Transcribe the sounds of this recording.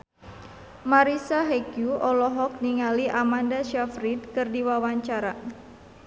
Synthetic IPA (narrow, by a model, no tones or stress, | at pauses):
maɾisaɦɛkjuʔɔlɔɦɔk̚niŋaliʔamandaʃafɾidkɨrdiwawaɲt͡ʃaɾa